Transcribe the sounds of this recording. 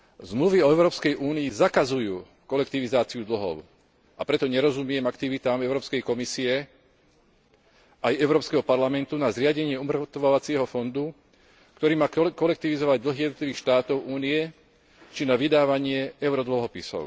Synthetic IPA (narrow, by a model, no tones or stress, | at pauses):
zmluʋiɔɛʊɾɔːpskɛjʔuːniizakazujuː | kɔlɛkt̪iʋizaːt͡siud̪l̩ɦɔ̰ʊ | apɾɛt̪ɔɲɛɾɔzumɪjɛmakt̪iʋit̪aːmɛʊɾɔːpskɛjkɔmisiɛ | ajɛʊɾɔːpskɛɦɔpaɾlamɛnt̪unazɾɪaɟɛɲɪɛumr̩t̪ɔʋaʋat͡sɪɛɦɔfɔnd̪u | kt̪ɔɾiːmaːkkɔlɛk̚t̪iʋizɔʋaɟ̚d̪l̩ɦijɛd̪ɔt̪liʋiːxʃt̪aːt̪ɔʊuːnijɛ | t͡ʃinaʋid̪aːʋaɲɪɛɛʊɾɔd̪lɦɔpisɔ̰ʊ